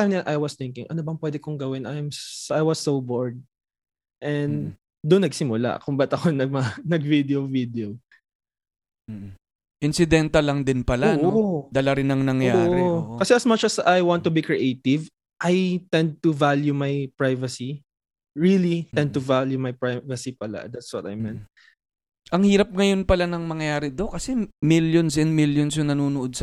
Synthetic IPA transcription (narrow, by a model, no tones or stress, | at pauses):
ajmaʔajwɔst̪ɪ̃ŋkɪ̃ŋʔɐnobɐŋpwɛd̪ɛkʊŋɡɐwɪnʔajmsʔajwɔsːobɔɹd̪̚ | ʔɛ̃nd̪ | d̪ʊnːɐɡsɪmʊla̰ʔkʊmbɐt̪ɐkonɐmɐɐnɐɡvid̪ɛovid̪ɛo | ʔɪnsɪd̪ɛnt̪ɐlɐŋd̪ɪnpɐlaʔod̪ɐlɐɾɪnɐŋnɐŋjjaːʔɾokɐsɛɐsmɐt͡ʃɐsajwãnt̪ːʊbikɹiʔejt̪ɪv | ʔajt̪ɛ̃nd̪̚t̪uvaljumɐjpɹajvɐsi | ɹilit̪ɛ̃nd̪̚t̪ʊvaljumajpɹajvɐsipɐla̰d̪at̪swɐt̪ɐ̰jmɛ̃n̚ | ʔɐŋhiːɾɐp̚ŋɐjo̞npɐlanɐŋmɐŋjɐjaːɾɪd̪okɐsɛmiljonsʔɛnd̪̚miljons̬jʊnɐnuːnʊʔod̪̚sɐ